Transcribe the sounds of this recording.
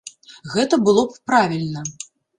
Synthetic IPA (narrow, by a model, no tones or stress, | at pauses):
ɣɛt̪ɐbɨlˠɔppɾavʲilʲnɐ